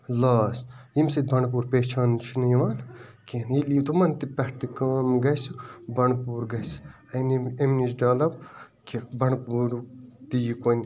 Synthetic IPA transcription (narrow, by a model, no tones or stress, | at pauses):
laːsjimsɐt̪̚bɐɳp̬uːɾpeːt͡ʃʰaːnt͡ʃʰinɐjʋaːlkʲenilit̪ʰumɐnt̪ipɐht̪ikaːmɡɐsubɐɳpuːɾɡɐs | ɐjniemnisɖɐːlɐb̚ | kʲʰibɐɳpuːɾd̪ijikonʲ